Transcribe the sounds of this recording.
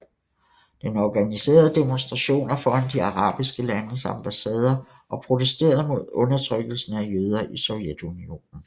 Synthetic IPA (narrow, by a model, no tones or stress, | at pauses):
d̥enɒɡ̥ænise̝̰ːɐð̞ˠd̥e̝monsd̥ʁɑ̈ɕo̝̰ːnæfɒːænd̥iɑ̈ʁɑ̰̈ːb̥isɡ̥əlænəsɑ̈mb̥æsɛːð̞ˠɐ | ʔɒ̽pʰʁo̝t͡sʰesd̥e̝̰ːɐðˠmo̝ð̞̰ˠɔ̽nɐt͡sʰʁœɡ̥l̩sn̩æjøːð̞ˠɐʔisɒ̽ʊjed̥unio̝̰ːnn̩